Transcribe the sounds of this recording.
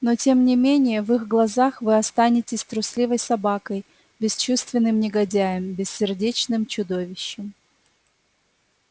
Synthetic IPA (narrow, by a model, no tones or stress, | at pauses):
notʲe̞mnʲɪmʲenʲɪjəvɨxɡlˠɐzaxvɨɐst̪anʲɪtʲɪsʲt̪ɾʊslʲivəjsɐbakəj | bʲɪst͡ɕust̪vʲɪnːɨmnʲɪɡɐdʲæjɪmbʲɪsːʲɪrdʲet͡ɕnɨmt͡ɕʊd̪ovʲɪɕːɪm